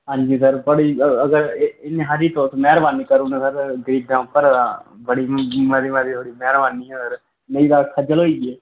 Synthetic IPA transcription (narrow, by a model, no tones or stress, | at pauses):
ɦãːɲd͡ʒiːsəɾbəɽiːəɡəɾɪnːẽːɦaɾiːt̪õːsmɛːɾbaːniːkəɾuːnẽsəɾɡəɾiːb̚d̪ãːʊpːəɾbəɽiːməd̪imad̪iːt̪ʰoːɽiːmɛːɾbaːniːɛɾ | nəiːd̪aːkʰəd͡ʒəlɦoːiːɡeː